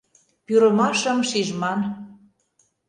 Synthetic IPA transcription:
pyɾə̆mɑʃə̆mʃiʒmɑn

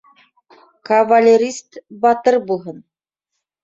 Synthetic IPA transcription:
kɐvalʲeɾʲist̪bɑt̪ɤɾbulˠɦɤn

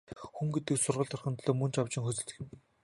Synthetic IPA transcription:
xuŋɡet̪ɘ̆ksʊrʁə̆ɮt̪ʰœrχə̆nt̪ɮoːmɵnt͡ɕʰawt͡ɕɪ̆ŋxɵt͡sɘ̆ɮ̆x̆m

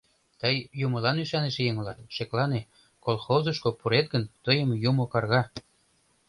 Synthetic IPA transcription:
t̪əjjumə̆lɑnyʃɑneʃejəŋlɑt̪ʃeklɑne | kolˠxozə̆ʃkopuɾet̪̚ɣənt̪əjəmjumokɑrɣɑ

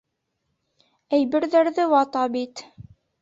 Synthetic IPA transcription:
æjbɘ̆ɾðæɾðɘwɑt̪ɑbit̪

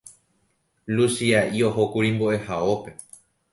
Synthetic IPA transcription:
lusiaʔioɦokuɾĩmboʔe̞haope̞

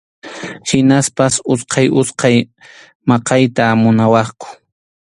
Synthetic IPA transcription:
hɪnaspasʊsqʰɑjʔʊsqɑj | mɑqɑjt̪aːmʊnawɑχkʊ̥

